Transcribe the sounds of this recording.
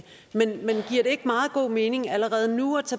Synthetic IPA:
menmenɡ̥iɐ̰ɾ̥e̝e̝ɡ̥mɑ̈ːð̩ˠɡ̥o̝̰ːme̝ːne̝ŋæləʁɛːð̞̩ˠnuɒt͡sʰæ

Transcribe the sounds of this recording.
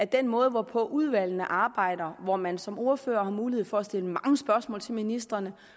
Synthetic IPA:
æɐd̥enmɔ̽ːð̞̩ˠəʋɒpʰɒ̽ʔuð̞ˠʋæl̰nəʔɑ̈ːb̥ɑ̈ɪ̰d̥ɐʋɒmænsɒ̽mo̝ɐfø̰ːɐhɑ̈muːlie̝ð̰̩ˠfɒ̽ːsd̥e̝ləmɑ̈ŋəsb̥ɶɐsmɔ̰ːlt͡sʰe̝lminisd̥ʁɐnə

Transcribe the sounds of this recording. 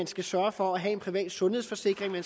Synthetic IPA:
ænsɡ̥æsɶːɐfɒ̽æɦɛe̝npʰʁiʋɛ̰ːd̥sɔ̽nhe̝sfɒ̽se̝ɡ̥ʁeŋmæn

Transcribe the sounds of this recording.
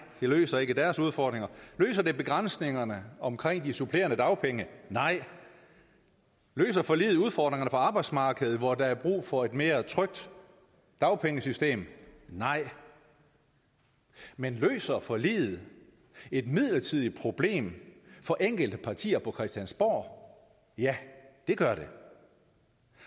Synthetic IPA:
d̥e̝lø̰ːsɐe̝ɡ̥əd̥æɐsuð̞ˠfɒːd̥ʁeŋɐlø̰ːsɐd̥e̝b̥e̝ɡ̥ʁan̰sne̝ŋɐnəɒ̽mkʰʁeŋ̰d̥isupʰle̝̰ːɐnəd̥ɑ̈ʊpʰeŋənɑ̈ɪ̰ | lø̰ːs̬ɐfɒ̽lḭːð̞̩ˠuð̞ˠfɒ̰d̥ʁeŋɐnəfɒɑ̈b̥ɑ̈ɪd̥smɑ̈ːɡ̥əð̩ˠʋɒd̥ɑ̈æɐb̥ʁṵːfɒ̽e̝d̥me̝ːɐt͡sʰʁœɡ̥̚d̥ | d̥ɑ̈ʊpʰeŋəsysd̥e̝̰ːmnɑ̈ɪ̰ | menlø̰ːsɐfɒ̽lḭːð̩ˠ | e̝d̥mið̞̰ˠlɐt͡sʰið̞ˠipʰʁo̝b̥le̝̰ːmfɒ̽ʔeŋ̰ɡ̥əld̥əpʰɑ̈t͡sʰḭːɐpʰɒ̽kʰʁɛsd̥jænsb̥ɒ̰ː | jæd̥e̝ɡ̥ɶɐɾe̝

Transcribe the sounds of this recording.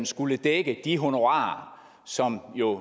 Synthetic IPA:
nsɡ̥uləd̥eɡ̥əd̥iɦo̝noʁɑ̰̈ːɐ | sɒ̽mjo̝

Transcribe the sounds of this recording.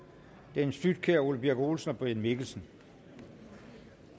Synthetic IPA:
d̥ensd̥yd̥̚kʰeɐulb̥eɡ̥o̝ːlsən̩ɒ̽b̥ʁiænmeɡ̥l̩sn̩

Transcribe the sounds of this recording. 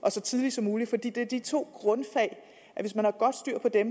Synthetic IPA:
ʔɒ̽sɒ̽t͡sʰið̞ˠlisɒ̽mːuːlifɒd̥ḭːd̥e̝ɐd̥it͡sʰo̝̰ːɡ̥ʁɔ̽nfɛ̰ːɪ | ʔæʋe̝smænhɑ̈ɡ̥ɒ̽d̥sd̥yɐ̰pʰɒ̽d̥em

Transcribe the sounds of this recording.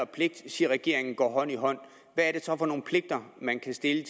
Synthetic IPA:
ɐpʰle̝ɡ̥̚d̥siːɐʁɛɡ̥e̝ɐ̰e̝ŋn̩ɡ̥ɒ̰ːɦɒ̽n̰iɦɒ̽n̰ | ʋæːɐɾ̥e̝sɒ̽fɒ̽no̝ːn̩pʰle̝ɡ̥̚d̥ɐmænkʰæsd̥e̝lət͡sʰ

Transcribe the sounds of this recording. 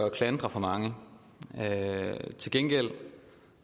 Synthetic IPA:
ɒkʰlænd̥ʁɐfɒ̽mɑ̈ŋə | t͡sʰe̝lɡ̥enɡ̥el̰

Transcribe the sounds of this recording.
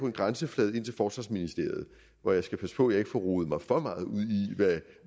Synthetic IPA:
pʰɒ̽e̝nɡ̥ʁansəflɛːð̞̩ˠe̝n̰t͡sʰelfɒːsʋɑ̈sminisd̥e̝ɐ̰ð̞̩ˠ | ʋɒjɑ̈ɪsɡ̥æpʰæsə̥pʰɔ̽jɑ̈e̝ɡ̥fɒ̽ʁoːð̩ˠmɑ̈ɪfɒ̽mɑ̈ːð̞̩ˠuð̰ˠiʋæ

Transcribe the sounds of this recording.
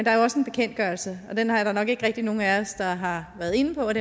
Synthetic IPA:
end̥ɑ̈ɐjoɒ̽səe̝nb̥e̝̥kʰen̰d̥̚ɡ̥ɶɐlsəɒ̽d̥enhɑ̈jɾ̥ɑnɒ̽ɡ̥e̝ɡ̥əʁɛɡ̥̚d̥ino̝ːn̩æɒsd̥ɑ̈ɦɑ̈ʋæːɐðˠe̝nəpʰɒ̽ɒd̥e

